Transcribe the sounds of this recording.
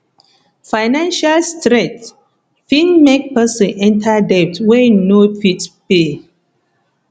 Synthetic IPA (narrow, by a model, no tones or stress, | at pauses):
faɪnãnʃalstɾɛ̃t | fĩnmɛk̚pɛsɔ̃nɛ̃ntʰadɛp̚twɛnofitpe